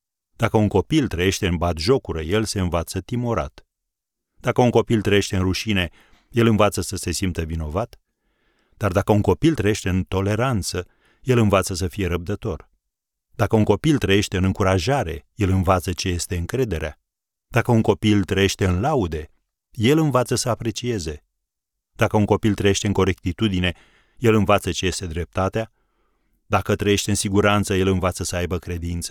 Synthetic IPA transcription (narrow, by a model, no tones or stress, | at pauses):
d̪akəuŋko̞pilt̪ɾəje̞ʃt̪e̞ɨnbat̪ʒo̞kuɾəje̞lse̞ɨnvat̪sət̪imoɾa̰t̪ | d̪̥akəuŋko̞pilt̪ɾəje̞ʃt̪eɨnɾuʃine̞ | je̞lɨnvat̪səsəse̞simpt̪əvino̞vat̪ | d̪̥ard̪akəuŋko̞pilt̪ɾəje̞ʃt̪eɨnt̪o̞le̞ɾant̪sə | je̞lɨnvat̪səs̬əfije̞ɾəb̚d̪ət̪o̞r | d̪̥akəuŋko̞pilt̪ɾəje̞ʃt̪e̞ɨnɨŋkuɾaʒaɾe̞je̞lɨnvat̪sət͡ʃe̞je̞st̪e̞ɨŋkɾe̞d̪e̞ɾea | d̪̥akəuŋko̞pilt̪ɾəje̞ʃt̪e̞ɨnlaud̪e̞ | je̞lɨnvat̪səsəapɾe̞t͡ʃie̞ze̞ | d̪̥akəuŋko̞pilt̪ɾəje̞ʃt̪e̞ɨŋko̞ɾe̞k̚t̪it̪ud̪ine̞ | je̞lɨnvat̪sət͡ʃe̞je̞st̪e̞d̪ɾe̞p̚t̪at̪ea | d̪akət̪ɾəje̞ʃt̪e̞ɨnsiɡuɾant̪səje̞lɨnvat̪səsəajbəkɾe̞d̪int̪sə̥